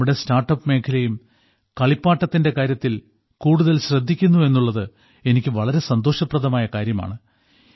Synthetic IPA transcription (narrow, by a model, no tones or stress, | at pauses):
uɽe̞staːrʈːɐpːme̞ːkʰɐlɐjum | kɐɭipːaːʈːɐt̪ːinde̞kaːɾjɐt̪ːil | kuːɽuðɐlɕrɐd̪ʱːikʲːunːue̞nːuɭːɐðɨ | e̞nikʲːɨʋɐɭɐɾe̞sɐnd̪o̞ːʂɐpːrɐðɐmaːjɐkaːɾjɐma̰ːɳɨ